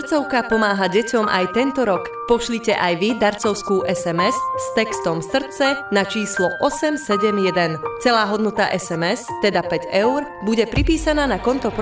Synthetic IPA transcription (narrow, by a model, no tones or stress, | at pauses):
t͡sɔʊkapɔmaːɦaɟɛcɔmʔa̰jt̪ɛnt̪ɔɾɔk | pɔʃlicɛʔajʋid̪aɾt͡sɔʊskuːʔɛsɛmɛsst̪ɛkst̪ɔmsr̩t͡sɛnat͡ʃiːslɔʔɔsɛmsɛɟɛmjɛd̪ɛnt͡sɛlaːɦɔd̪nɔt̪a̰ʔɛsɛmɛst̪ɛd̪apɛɟɛʊɾ | buɟɛpɾipiːsanaːnakɔnt̪ɔp